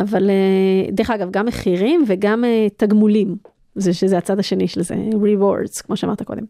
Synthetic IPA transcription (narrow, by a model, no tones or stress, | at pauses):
ʔavaled̪eʁχaɡavɡamːeχiʁimveɡamet̪aɡmulim | zeʃezeat͡sad̪aʃe̞niʃelzḛʁiwo̰ʁdz̥kmo̞ʃeamaʁt̪ako̞̰d̪e̞m